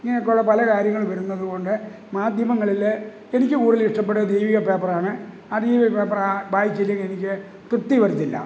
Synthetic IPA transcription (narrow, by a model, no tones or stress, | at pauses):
iŋːɐneok̬ːɐɭːɐpɐlɐkaːɾjɐŋːɐɭʋɐɾunːɐðuɣo̞ːɳɖɨ | maːd̪ʱjɐmɐŋːɐɭil | e̞nikʲːɨkuːɽiliʂɐp̬ːeʈːɨd̪ejʋiɣɐpeːpɐraːɳɨ | aːd̪ejʋiɐpeːpːɐrabaːjit͡ɕːelijɐkenikʲːɨ | t̪rt̪ːiʋɐɾit̪ːilːɐ̰